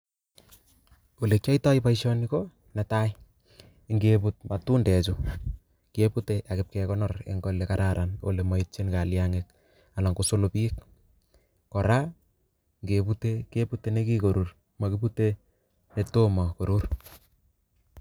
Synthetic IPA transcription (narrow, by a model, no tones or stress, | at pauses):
olet͡ʃaitɔipaiʃɔniko | nɛtaj | ŋɡeput̚matundɛt͡ʃu | kieputeʔakɪp̚kɛkɔnɔrḛŋɡɔlekaɾaɾʔano̰lemait͡ʃinkaljaŋek̚ | alɔŋɡusolopiek | kɔɾa | ŋɡeputekeputenekikoɾur | makipute | netomɔkoɾur